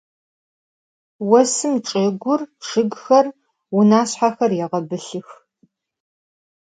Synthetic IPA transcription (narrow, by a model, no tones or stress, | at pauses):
wɐsɨmʈ͡ʂʼeːɡʷʊrʂɨɡxɐr | wʊnaːɕħaxɐrjɛʁɐbɨɬɨx